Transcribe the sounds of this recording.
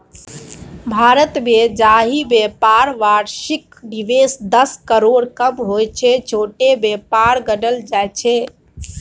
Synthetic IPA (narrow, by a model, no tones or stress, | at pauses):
bʱaɾət̪bed͡ʒaɦibepaɾʋaɾʃik | ɖiʋesd̪əskəɾoɽkəbɦojt͡ʃʰɛt͡ʃʰoʈebepaɾɡəɖəld͡ʒajt͡ʃʰɛ